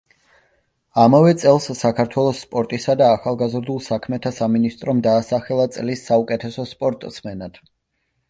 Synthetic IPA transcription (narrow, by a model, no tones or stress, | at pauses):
amavɛt̪sʼɛlˠsːakʰaɾt̪ʰwɛlˠɔsːpʼɔɾt̪ʼisad̪aːχalˠɡazɾd̪ulˠsakʰmɛt̪ʰasaminist̪ʼɾɔmd̪aːsaχɛlˠat̪sʼlisːaukʼɛt̪ʰɛsɔspʼɔɾt̪ʼsmɛnad̪̥